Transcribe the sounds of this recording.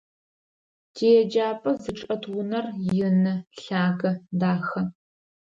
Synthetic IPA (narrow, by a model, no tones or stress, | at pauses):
dʰeːjɛd͡ʒaːpʼɐzɨʈ͡ʂʼɐtʰwʊnɐrjɪnɨɬaːɡɐdaːxɐ